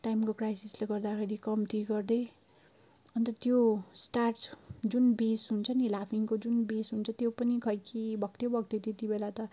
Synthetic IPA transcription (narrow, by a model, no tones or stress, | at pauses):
ʈajmkokrajsisleɡʌrd̪akʰeɾikʌmt̪iɡʌrd̪e | ʌnt̪ʌt̪josʈarʈd͡zunbesɦunt͡sʰʌnilapʰiŋkod͡zunbesɦunt͡sʰʌt̪jopʌnikʰʌjkʰibʱʌkt̪jebʌk̚t̪et̪et̪ibelat̪ʌ